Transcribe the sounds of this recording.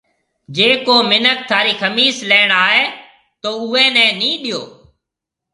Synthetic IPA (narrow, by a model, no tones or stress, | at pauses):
d͡ʒeːkoːmɪnək̚t̪ʰaːɾiːxəmiːsleːɳ̃aːɦeː | t̪oːʊːeːnɛ̃ːnĩːɗɪjoː